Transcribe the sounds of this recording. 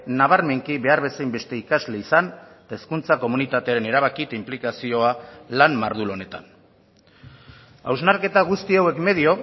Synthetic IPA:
naβ̞aɾme̞ŋkiβe̞aɾβe̞sajmbe̞st̪e̞ikazle̞isan | t̪aeskunt͡sako̞munit̪at̪e̞aɾe̞ne̞ɾaβ̞akit̪implikasio̞alanmaɾðulo̞ne̞t̪a̰n | a̰wznaɾke̞t̪aɣust̪iawe̞kme̞ðio̞

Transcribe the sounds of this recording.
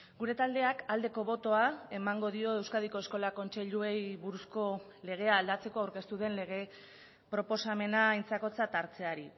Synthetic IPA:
ɡuɾe̞t̪ald̪e̞akald̪e̞ko̞βo̞t̪o̞ae̞maŋɡo̞ðio̞e̞wskað̞iko̞e̞sko̞lako̞nt͡ʃe̞ʎue̞jβuɾusko̞ | le̞ɣ̞e̞aːld̪at͡se̞ko̞awɾke̞st̪uðe̞nle̞ɣ̞e̞ | pɾo̞po̞same̞najnt͡sako̞t͡sat̪aɾt͡se̞aɾi

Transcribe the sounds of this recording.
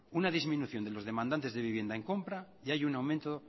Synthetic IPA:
unaðizmĩnuθjo̞nd̪elo̞zð̞e̞mãnd̪ant̪e̞zðe̞βiβje̞nd̪aeŋko̞mpɾa | iajunawmẽnt̪o

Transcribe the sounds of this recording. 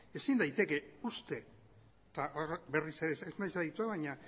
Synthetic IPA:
e̞sind̪ajt̪e̞ke̞ust̪e̞ | t̪aʔoɾbe̞rise̞ɾeseznajsaðit̪ueβaɲa

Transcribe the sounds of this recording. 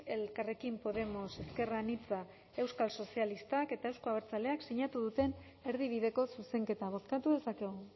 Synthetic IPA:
e̞lkare̞kimpo̞ðe̞mo̞se̞ske̞ranit͡sa | e̞wskalso̞sialist̪ake̞t̪ae̞wskoaβeɾt͡sale̞aksiɲat̪uðut̪e̞n | e̞ɾðiβ̞iðe̞ko̞suse̞ŋke̞t̪aβ̞o̞θkat̪uðe̞sake̞ɣu

